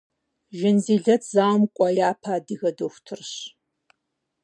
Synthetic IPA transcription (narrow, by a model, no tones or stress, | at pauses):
ʒɐnziːɮɐtʰzaːmkʷʼɔjaːpʰaːdɨɣɐdoxʷtʰɨrɕ